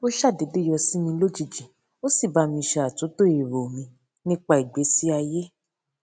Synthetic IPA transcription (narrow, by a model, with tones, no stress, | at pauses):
o˦ʃa˦˨de˨˦de˦jɔ˧si˦mĩ˧˦lo˦d͡ʒi˦˨d͡ʒi˨ | o˦si˦˨ba˧˦mĩ˧ʃɛ˧˦a˨to˨˦to˦i˨ɾo˨mĩ˧ | nĩ˦k͡pa˧˦i˨ɡ͡be˨˦si˦a˧je˦